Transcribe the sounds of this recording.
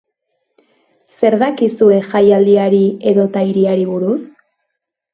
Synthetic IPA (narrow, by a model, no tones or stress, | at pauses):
se̞ɾðakisue̞xajald̪iaɾie̞ðo̞t̪ajɾiaɾiβuɾus